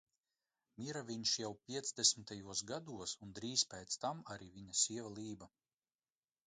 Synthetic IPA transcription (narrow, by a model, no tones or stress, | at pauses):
mʲiɾavʲiɲʃjawpʲiɛt̪sd̪esʲmit̪ajuɔsɡad̪uɔsund̪ɾiːspʲɛjt̪st̪amaɾiːvʲiɲasʲiɛvalˠiːba